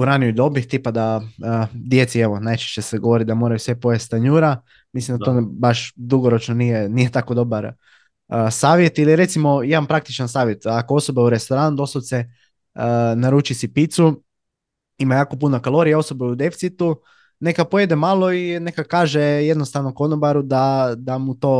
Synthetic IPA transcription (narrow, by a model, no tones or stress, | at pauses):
uɾanijuid̪o̞bixt̪ipad̪aəd̪jet̪sieʋo̞najt͡ʃe̥ʃt͡ɕeseɡoʋoɾid̪amo̞ːɾajusʋepojest̪aɲuɾa | mislimd̪at̪obaʃd̪uɡoɾo̞t͡ʃnonijenije̞t̪ako̞d̪o̞baɾ | əsaːʋjet̪iliɾe̞t̪simo̞jed̪anpɾak̚t̪it͡ʃansaːʋje̞t̪akoo̞so̞beuɾe̞st̪o̞ɾanud̪o̞sot̪se | naɾuːt͡ʃisipit̪su | imajaːko̞punakalˠo̞ɾijao̞sobeud̪e̞fit̪sit̪u | ne̞kapojed̪emalˠoine̞kakaːʒejed̪nost̪aʋnokonobaɾud̪ad̪amut̪o̞ː